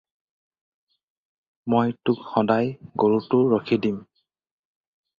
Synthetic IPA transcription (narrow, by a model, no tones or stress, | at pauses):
mojtʊkxɔdajɡoɹutʊɹokʰidim